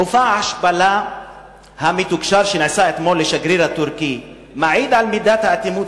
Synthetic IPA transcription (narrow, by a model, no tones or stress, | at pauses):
ʔʊfaʕaʃbala | hamit̪ukʃɑɾˤʃinʕɪsaːʔɪt̪moːlːɪʃaɡɾiːɾat̪ʊɾkij | maʕiːd̪ʕalmɪd̪aːt̪haʔt̪imuː